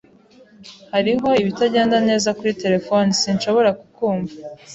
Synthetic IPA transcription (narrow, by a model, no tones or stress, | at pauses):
haɾiɦo̞iβitaɟe̞ːndane̞ːzakuɾite̞ɾe̞fonisinʃo̞βo̞ɾakukuːɱva